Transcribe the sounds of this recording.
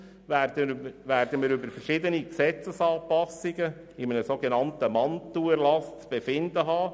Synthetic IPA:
ædəvæɾd̥̪əmɪːɾybəɾfəɾʃɪd̪əniksɛt͡səsɑːpɑsɪɡə | ɪmənəsoːɡenɑnt̪əmɑntːuəɾlɑst͡sb̥efɪnd̪əɦɑː

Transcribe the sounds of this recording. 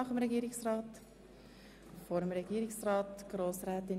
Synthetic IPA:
ɑχəmɾɛɡiːɾɪksrɑːt | fɔːɾəmɾɛɡ̥iːɾɪksrɑːtɡ̥ɾoːsɾæːt̪ɪn

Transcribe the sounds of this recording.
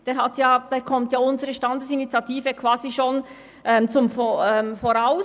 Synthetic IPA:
d̥eːɾhatjaːd̥eːkʰɔmtjaːʊnzəɾəʃtɑndəsinit͡sjɑtiːvəkʰv̥aːziʃon | ʔɛːmt͡sʊmfoɛːmfoɾaʊ

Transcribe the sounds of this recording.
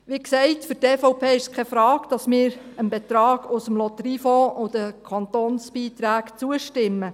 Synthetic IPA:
ʋiksɛɪtfʏɾtɛːfɔʊpʰeːɪʃskʰɛfɾɑːɡ̥d̥ɑsmɪːɾənbɛt̪ɾɑːɡʊsəmlɔt̪rifoʊd̥əkʰɑnt̪oːnsb̥iːt̪ɾæːɡt͡suəʃtɪmːə

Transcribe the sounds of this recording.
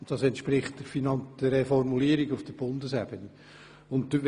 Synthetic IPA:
nd̥ɑsɛntʃpɾɪχtd̥əfinɑnd̥əefɔrmuliːɾɪɡʊfd̥əb̥ʊndəsɛb̥ənə | ʊntʋ

